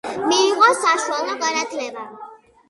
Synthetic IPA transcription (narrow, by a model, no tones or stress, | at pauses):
miːʁɔsaʃualɔɡanad̪lɛba